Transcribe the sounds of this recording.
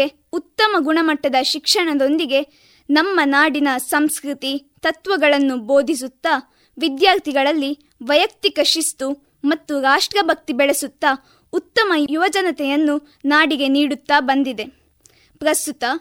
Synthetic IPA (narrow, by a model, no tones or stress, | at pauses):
e | ut̪ːɐmɐɡuɳɐmɐʈːɐd̪ɐʃikʂɐɳɐd̪o̞nd̪iɡe̞ | nɐmːɐnaːɽinɐsɐmskɾit̪it̪ɐt̪ʋɐɡɐɭɐnːuboːd̪ʱis̬ut̪ːɐ | ʋid̪jaːɾt̪ʰiɡɐɭɐlːi | ʋɐjɐk̚t̪ikɐʃisʈ̪u | mɐt̪ːuɾaːʂʈɾɐbʱɐk̚t̪ibɛɭesut̪ːɐ | ut̪ːɐmɐjuʋɐd͡ʒɐnɐt̪ɛjɐnːu | naːɽiɡe̞niːɽut̪ːabɐnd̪id̪e̞ | pɾɐst̪ut̪ɐ